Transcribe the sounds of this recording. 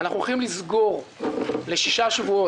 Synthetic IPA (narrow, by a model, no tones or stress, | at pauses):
naχuoχimlizɡo̞ʁle̞ʃiʃaʃvuo